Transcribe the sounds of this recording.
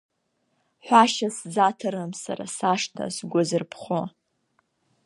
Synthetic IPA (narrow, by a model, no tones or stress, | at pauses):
ħʷaʃaszatʰaɾɨmsa̰ɾa̰saʂtʰa̰sɡʷʊzɨrpʰχo